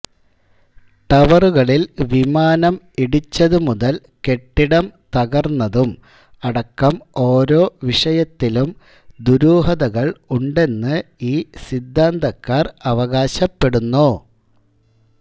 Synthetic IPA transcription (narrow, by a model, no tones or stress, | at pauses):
ʈɐʋɐruɣɐɭilʋimaːnɐm | iɽit͡ɕːɐðumuðɐl | ke̞ʈːiɽɐmt̪ɐɣɐrnːɐðum | ɐɽɐkːɐmo̞ːɾo̞ːʋiʂɐjɐt̪ːilum | d̪uɾuːɦɐðɐɣɐɭuɳɖe̞nːɨiːsid̪ːaːnd̪ɐkːaːrɐʋɐɣaːɕɐpːe̞ɽunːoː